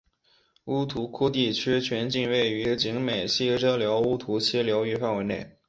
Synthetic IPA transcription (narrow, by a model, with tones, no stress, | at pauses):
u˥t̪ʰu˧˥kʰu˥t̪̬i˥˩t͡ɕʰy˥t͡ɕʰɥɛ˧˥nt͡ɕi˥˧nwe˥˩ɪy˧˥t͡ɕi˧˥ŋme˨˩ɪɕi˥˩ʈ͡ʂɤ˥ljɑ˧˥ʊu˥t̪ʰu˧˥t͡ɕʰi˥ljɑ˧˥ʊy˥˧fa˥˧nwe˧˥ɪne˥˩ɪ